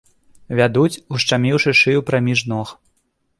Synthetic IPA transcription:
vʲad̪ut͡sʲuʂt͡ʂamʲiwʂɨʂɨjupɾamʲiʐnɔx

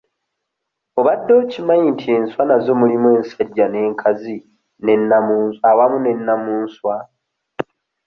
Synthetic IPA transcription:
o̞βadːo̞ːcimajintʰie̞ːnswanazo̞mulimwe̞ːnsaɟːane̞ːŋkʰazi | ne̞nːamuːawamune̞nːamuːnswa

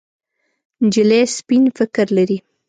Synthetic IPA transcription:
nd͡ʒɪlespinfɪkɾlaɾi

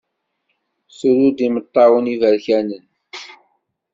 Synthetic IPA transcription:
suɾud̪imət̪ˤːɑwənivæɾçænən

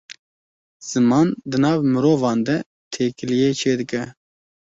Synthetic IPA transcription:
z̥ɨmɑːnd̪ɨnɑːvmɨɾoːvɑːnd̪ɛ | t̪ʰeːkɨlijeːt͡ʃʰeːd̪ɨkɛ

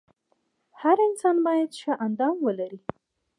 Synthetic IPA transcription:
haɾɪnsɑnbɑjad̪ʃaʔand̪ɑmwəlaɾi

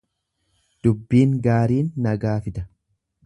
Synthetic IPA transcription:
d̪̥ʊbːiːŋɡaːɾiːnːɐɡaːfɪd̪ɐ̥

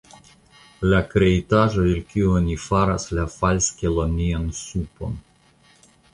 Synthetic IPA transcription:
lakɾeit̪aʒodelkʲiuonʲifaɾaslafalskʲelomiansupo̰n

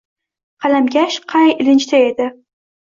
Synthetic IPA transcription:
qʰɑlamɡʲaʃqʰɑjɪlɪnt͡ʃt̪ʰae̞d̪ɪ

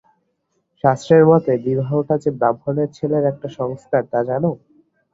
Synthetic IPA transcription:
ʃast̪ɾeɾmɔt̪ed̪ibʱaoʈat͡ɕebabʱːoneɾt͡ɕʰeleɾɛk̚ʈaʃɔŋst̪ʰaɾt̪ad͡ʑano

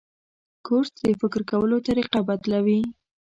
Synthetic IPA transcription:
koɾsd̪əfɪkɾkawəlot̪aɾiqɑbat̪lawi

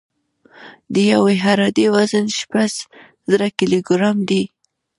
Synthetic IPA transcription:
d̪əjaweɦaɾad̪ewazənʃpas | zɾakiloɡɾamd̪i

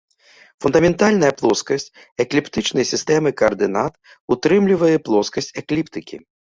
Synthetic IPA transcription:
fund̪ɐmʲɛnt̪alʲnɐjɐplˠɔskɐsʲt͡sʲ | ɛklʲipt̪ɨt͡ʂnɐjsʲist̪ɛmɨkɐɐrd̪ɨnat̪ | ut̪ɾɨmlʲivɐjɛplˠɔskɐsʲt͡sʲɛklʲipt̪ɨkʲḭ

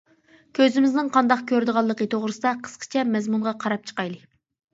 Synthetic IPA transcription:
kʲʰøzɪmɪznɪŋqʰɑnd̪ɑqkʲʰøɾd̪ɨʁɑlˠːəqət̪ʰoʁɾɨsɨd̪ɑqʰə̥sqʰə̥t͡ʃʰɛmɛzmuɴʁɑqʰɑɾɑp̚t͡ʃʰə̥qɑjlˠɨ

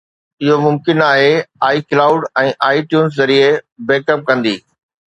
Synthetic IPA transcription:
ɪɦomʊmkɪnaːɦeaːiklaːʊɖɛ̃ːʔaːiʈjuːns̬zɐɾiebeːkəp̚kɐ̃nd̪ḭː

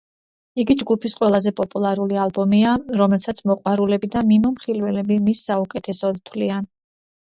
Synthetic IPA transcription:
iɡid͡ʒɡupʰisqʼwɛlˠazɛpʼɔpʼulˠaɾulialˠbɔmiaɾɔmɛlˠsat̪sʰmɔqʼwaɾulɛbid̪amimɔmχilwɛlɛbimisːaukʼɛt̪ʰɛsɔd̪t̪ʰwlian

